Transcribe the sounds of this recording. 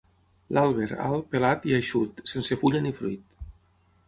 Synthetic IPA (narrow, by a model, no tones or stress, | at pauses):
lʔalˠβ̞eɾa̰lˠpelat̪iajʃut̪sensefuʎanifɾuit̪̚